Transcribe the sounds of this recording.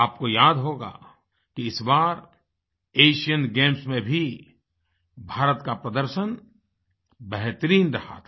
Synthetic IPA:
aːp̚kojaːd̪ɦoːɡa̰ː | kiɪsbaːɾ | eːʃijənɡẽːmsmẽbʱi | bʱaːɾət̪kapɾɐd̪əɾʃən | bɛɦt̪ɾiːnɾɐha̰ːt̪ʰa

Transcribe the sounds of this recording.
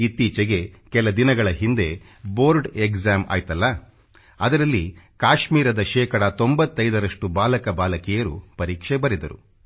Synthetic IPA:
it̪iːt͡ʃɛɡe̞kɛlɐd̪inɐɡɐɭɐɦind̪e̞ | boːɾɖekzaːma̰ːjt̪ɐlːɐ | ɐd̪ɐɾɐlːi | kaːʃmiːɾɐd̪ɐʃɛːkɐɽɐt̪o̞mbɐt̪ːɐjd̪ɐɾɐʂʈubaːlɐkɐbaːlɐkɛjɐɾupɐɾiːkʂɛbɐɾid̪ɐɾṵ

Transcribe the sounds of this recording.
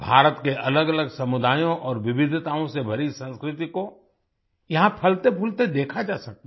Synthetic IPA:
bʱaːɾət̪keʔɐləɡɐləɡsɐmʊd̪ʱaːjõʔɔːɾʋɪbɪd̪ʱt̪aːõsebʱɐɾisə̃nskɾɪt̪iko | jɐɦãpʰɐlt̪epʰʊlt̪ed̪eːkʰad͡ʒaːsɐk̚t̪a

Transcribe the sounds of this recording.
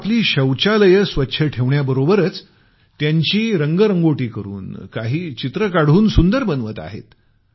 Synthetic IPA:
t̪liːɕəwt͡ɕaləjəsʋətːɕʰəʈʰeʋɳjabəɾobəɾət͡s | t̪jaɲt͡ɕiːɾəŋɡəɾəŋɡoʈiːkəɾṵːnkaɦiːt͡ɕit̪ɾəkaɽ̤uːnsund̪əɾbənʋət̪a̰ɦḛt̪

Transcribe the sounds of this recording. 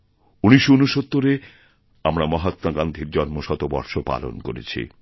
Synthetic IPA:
uniʃounuʃot̪ːoɾe | amɾamɔɦat̪maɡand̪ʱiɾd͡ʑɔnmoʃɔt̪obɔ̰ɾʃopa̰lo̰nkoɾḛt͡ɕʰḭ

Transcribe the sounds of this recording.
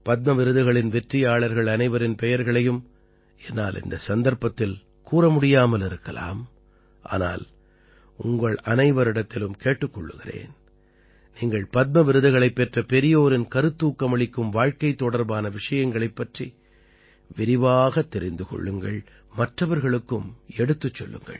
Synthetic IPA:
pɐt̪̚mɐʋɪɾɯðɯɣɐɭɪnʋɛʈrɪjaːɭɐɾɣɐɭɐnɐɪʋɐɾɪnpɛjɐɾɣɐɭɐjɯm | ɛnːaːlʔɪ̰nd̪ɐsɐnd̪ɐɾpɐt̪ːɪl | kuːrɐmʊɽɪjaːmɐlɪɾɯkːɐla̰ːm | ʔa̰ːna̰ːl | ʊŋɡɐɭɐnɐɪʋɐɾɪɽɐt̪ːɪlɯmkeːʈːɯkːɔɭːɯɣɪrḛːn | niːŋɡɐɭpɐt̪̚mɐʋɪɾɯðɯɣɐɭɐɪpːɛʈrɐpɛɾɪjoːɾɪnkɐɾɯt̪ːuːkːɐmɐɭɪkːɯmʋaːɻkɐɪt̪ːɔɽɐɾbaːnɐʋɪʂɐjɐŋɡɐɭɐɪpːɐʈri | ʋɪɾɪʋaːɣɐt̪ːɛɾɪnd̪ɯkɔ̰ɭːɯŋɡɐɭ | mɐʈrɐʋɐɾɣɐɭɯkːɯmɛɽɯt̪ːɯt͡ʃːɔ̰lːɯ̰ŋɡɐ̰ɭ

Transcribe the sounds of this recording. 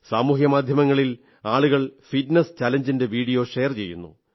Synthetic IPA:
saːmuːɦjɐmaːd̪ʱjɐmɐŋːɐɭil | aːɭuɣɐɭfitnest͡ɕaːlɐɲd͡ʑinde̞ʋiːɽijo̞ːʂe̞ːɐrt͡ɕe̞̰jːṵnːṵ

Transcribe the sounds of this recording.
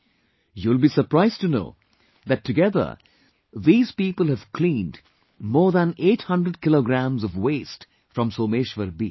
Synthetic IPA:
julˠbiːsəɾpɾaɪztɨno̰ː | ðætʰːɨɡɛðə̰˞ | ðiːz̥piːpəlˠhæv̥kʰlĩːnd | mɔːɾðæ̃neːʈhʌ̃ndɾəɖ̚kɪloɡɾæ̃mzɔvweːst | fɾʌ̃msoːmeːʃʋəɾbḭː

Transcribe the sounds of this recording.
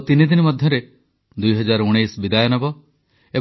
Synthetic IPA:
t̪inid̪inimɔd̪ʱjɔɾe | d̪ujɦɔd͡ʒaɾuɽ̃ejsbid̪ajɔnɔbɔ | e

